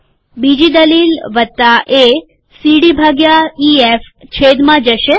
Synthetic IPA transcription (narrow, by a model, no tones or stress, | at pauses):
bid͡ʒid̪əlilʋət̪ːaʔe | siɽibʱaɡjaief | t͡ʃʰed̪mãd͡ʒəʃe